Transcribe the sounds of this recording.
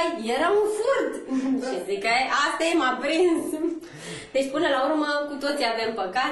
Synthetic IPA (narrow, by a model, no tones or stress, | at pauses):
jjeɾaunfurd̪ʃizikəeʔat̪emapɾins | d̪e̞t͡ʃʲpɨnəlaurməkut̪ot̪siavempəka